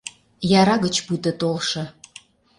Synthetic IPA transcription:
jɑɾɑɣət͡ɕput̪ə̆t̪olʃɤ̆

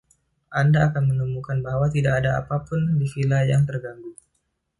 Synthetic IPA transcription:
ʔandaːkanmənəmukanbaɦwat̪idakːdaa̰papʊndifilajaŋt̪ərɡaŋɡuŋ

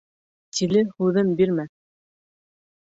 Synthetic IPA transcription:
t̪ʰilɘhʉðɘmbiɾmæ

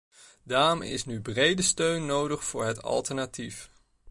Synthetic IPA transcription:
daːmɪ̰snybrejdəstøɥnːowdəχfʊːɹɦɛtɑ̰lˠtəɹnatif

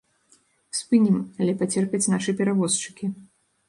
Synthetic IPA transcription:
spɨnʲimalʲɛpat͡sʲɛrpʲɛt͡sʲnaʂɨpʲɛɾavɔst͡ʂɨ̥kʲi

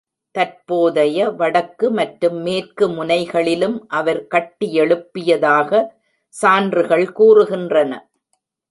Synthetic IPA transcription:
t̪ɐrpoːðɐjɐʋɐɽɐkːɯmɐʈɾɯmːeːrkɯmʊnɐɪɣɐɭɪlɯmʔɐʋɐɾkɐʈːɪɛɭɯpːɪjɐðaːɣɐ | saːndrɯɣɐɭkuːrɯɣɪndrɐnɐ

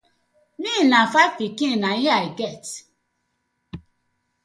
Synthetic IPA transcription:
nĩnãfapikĩnaɲiaiɡɛt

